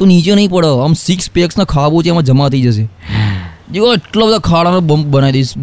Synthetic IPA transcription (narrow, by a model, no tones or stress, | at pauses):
t̪õnit͡ʃenəɦĩpəɽəəmsikspeksnakʰaʋõt͡ʃʰeɛmãd͡ʒəmat̪ʰəid͡ʒəʃ̬e | d͡ʒeʋaeʈlabəd̪ʱakʰaɭanẽbəmp̚bənaid̪eis